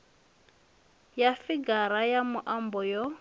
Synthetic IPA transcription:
jafiɡaɾajamuʔambɔjɔ

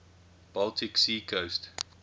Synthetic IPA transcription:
b̥altʰɪksiːkʰost

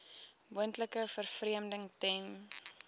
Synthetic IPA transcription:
muəntləkəfərfriəmdəŋtɛŋ

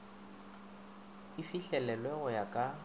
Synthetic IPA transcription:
ifiɬɛlɛlwɛɣʊjakʼa

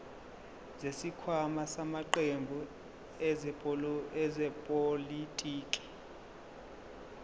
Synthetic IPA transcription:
zesikʰwamasamaǃembʱu | ɛzɛɛzɛpʼolitʼiːkʼi̥

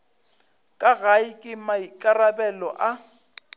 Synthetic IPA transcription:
kʼaɣaɪkʼɪmaikʼarabɛlɔʔa

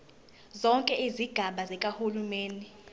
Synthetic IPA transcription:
zɔŋkʼɛiziɡ̥ʱaɓazɛkʼahulumeːni

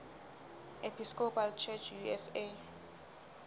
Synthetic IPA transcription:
epʰiskopʰalt͡ʃʰɛt͡ʃʰjuɛse

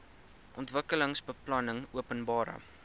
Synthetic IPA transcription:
ʔɔntvəkələŋsbəplɐnəŋuəpənbɑːɾə̰

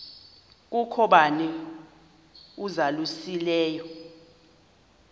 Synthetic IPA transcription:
k̬ukʰɔɓanɛ | uzalusilɛːjɔ

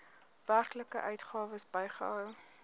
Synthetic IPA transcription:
værkləkə̰ʔœɥtχɑːvəsbɛjχə̰œw

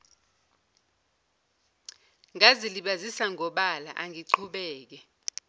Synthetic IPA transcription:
ŋaziliɓazisaŋʱɔɓala̰ʔaŋʱiǀʰuɓɛːk̬ɛ

